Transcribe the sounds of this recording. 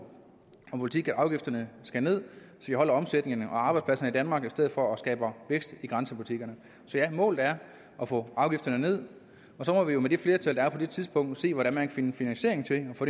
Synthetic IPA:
ɒ̽pʰo̝lit͡sʰiɡ̥æʔɑ̈ʊɡ̥ifd̥ɐnəsɡ̥æne̝ð̞̰ˠ | sɒjihɒ̽l̰ɐɒ̽msed̥ne̝ŋnəʔɒ̽ɑ̈ːb̥ɑ̈ɪdspʰlæsɐnəid̥ænmɑ̈ːɡ̥isd̥eð̞̰ˠfɒ̽ːsɡ̥ɛ̰ːb̥ɐʋeɡ̥sd̥iɡ̥ʁɑ̈nsəpʰulit͡sʰiɡ̥ɐnə | sɒ̽jæmɔ̰̽ːld̩ˠæɐ | ʔɒfɔ̰ːɑ̈ʊɡ̥ifd̥ɐnəne̝ð̞̰ˠ | ɒ̽sɒ̽mɒ̽ʋijo̝med̥efle̝ːɐt͡sʰæl̰d̥ɑæɐpʰɒ̽d̥e̝t͡sʰiðˠsb̥ɔ̽ŋ̰d̥se̝̰ːʋɒɾænmænkʰæfenəfinænɕe̝ɐeŋt͡sʰe̝ɒfɔ̥̽ː

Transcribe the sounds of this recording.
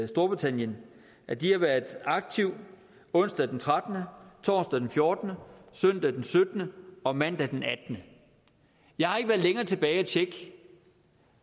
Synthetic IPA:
sd̥o̝ɐb̥ʁit͡sʰæn̰jən | ʔæd̥ihɑ̈ʋæɐðˠɑ̈ɡ̥̚t͡sʰiʊ̰ | ɔ̽n̰sd̥æd̥ent͡sʰʁad̥ənət͡sʰɒ̰ːsd̥æd̥enfjo̝ɐd̥nəsœn̰d̥æd̥ensød̥ənəɒ̽mæn̰d̥æd̥enæd̥nə | jɑ̈ɪhɑ̈e̝ɡ̥ʋæːɐðˠleŋɐːt͡sʰe̝b̥ɛːɪæt͡ɕʰeɡ̥

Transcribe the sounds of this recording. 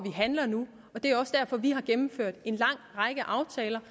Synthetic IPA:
ʋiɦænlɐnu | ɒ̽d̥e̝æɒ̽səd̥æɐfɒ̽ʋihɑ̈ɡ̥emm̩føɐ̰d̥e̝nlɑ̈ŋ̰ʁɑ̈ɡ̥əʔɑ̈ʊt͡sʰɛːlɐ

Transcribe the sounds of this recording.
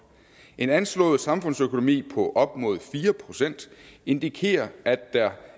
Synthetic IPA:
e̝nænslɔ̰̽ːð̩ˠsɑ̈mfɔ̽nsøkʰo̝no̝mḭːpʰɒ̽ʔɒ̽b̥̚mɔ̝̰ð̞̩ˠfiːɐpʰʁo̝sen̰d̥e̝nd̥ikʰe̝̰ːɐʔæd̥ːæɐ

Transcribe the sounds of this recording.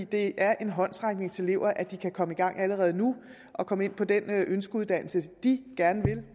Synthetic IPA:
ḭd̥e̝ʔæɐʔe̝nɦɒ̽n̰sʁäŋɡ̥ne̝ŋt͡sʰe̝le̝ʊ̰ɐʔæd̥ikʰækʰɒ̽məiɡ̥ɑ̈ŋ̰æləʁɛːð̞̩ˠnu | ʔɒ̽kʰɒ̽məe̝n̰pʰɒ̽d̥enʔønsɡ̥əuð̞ˠd̥æn̰l̩səd̥iɡ̥æɐnəʋe̝l

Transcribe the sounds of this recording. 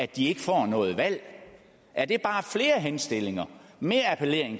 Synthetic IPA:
æd̥ie̝ɡ̥əfɒ̰ːnɔ̽ːð̞̩ˠʋæl̰ | ʔæɐd̥e̝b̥ɑ̈ːfle̝ːɐɦensd̥e̝le̝ŋɐme̝ːɐæpʰəle̝ɐ̰eŋ

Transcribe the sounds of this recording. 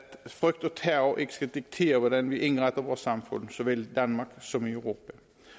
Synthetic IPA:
t̪fʁʏkt̪ɔt̪ʰæːʊʔɪkːə̥skad̪ɪk̚t̪ʰeːʁəʋɔd̪ɛnʋɪʔɪnɡʁaɪt̪əʁʋoːʁsɑmfʉ̰nsɔʋɪld̪ɑnmɑksɔmɪœʉʁuːpə

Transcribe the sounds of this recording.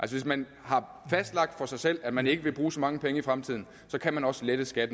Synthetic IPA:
ælsəʋe̝s̬mæn | hɑ̈ | fæsd̥lɑ̈ɡ̥̚d̥fɒ̽sɑ̈ɪsel̰æd̥mæne̝ɡ̥əʋe̝b̥ʁuːsɒ̽mɑ̈ŋəpʰeŋəifʁamt͡sʰið̰ˠn̩ | sɒ̽kʰæmænɒ̽səled̥əsɡ̥æd̥ə

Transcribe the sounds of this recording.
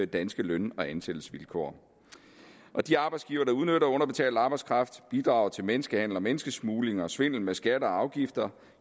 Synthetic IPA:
d̥ænsɡ̥əlønɒ̽ænsel̥l̩sʋilkʰo̰ːɐ | ʔɒ̽d̥iɑ̈ːb̥ɑɪsɡ̥iːʊɐɾ̥ɑ̈uð̞ˠnøɾɐɔ̽n̰ɐb̥e̝t͡sʰɛ̰ːld̥ɑ̈ːb̥ɑ̈ɪskʰʁɑ̈fd̥b̥id̥ʁɑ̈ʊt͡sʰe̝lmenəsɡ̥əhæn̰l̩ɒ̽menəsɡ̥əsmuːle̝ŋɐsʋe̝n̰l̩mesɡ̥æɾəɒ̽ɑ̈ʊɡ̥ifd̥ɐ

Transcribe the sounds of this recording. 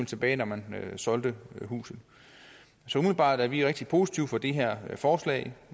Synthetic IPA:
l̩t͡sʰe̝b̥ɛːɪnɒmænsɒ̽ld̥əɦṵːsð̩ˠ | sɒ̽umeb̥ɑ̰̈ːd̥æɐʋiʁeɡ̥̚d̥ipʰo̝si̥t͡sʰiʊfɒ̽d̥e̝ɦæɐ̰fɒːslɛ̰ɪ

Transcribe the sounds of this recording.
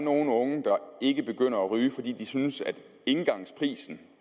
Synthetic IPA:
no̝ːn̩ɔ̽ŋəd̥ɑ̈e̝ɡ̥əb̥e̝ɡ̥øn̰ɐæʁyːfɒ̽d̥ḭːd̥isynsæd̥ | e̝nɡ̥ɑ̈ŋspʰʁḭːsn̩

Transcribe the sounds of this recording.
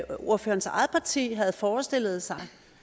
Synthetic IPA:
oɐfø̰ːɐn̩sɑ̈ɪð̩ˠpʰɑ̈t͡sʰḭːɦæð̞̩ˠfɒːsd̥e̝lð̞̩ˠsɑ̈ɪ

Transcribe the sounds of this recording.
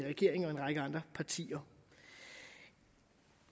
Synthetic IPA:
ʁɛɡ̥e̝ɐ̰eŋɒ̽e̝nʁɑ̈ɡ̥əɑ̈nd̥ʁɐpʰɑ̈t͡sʰḭːɐ

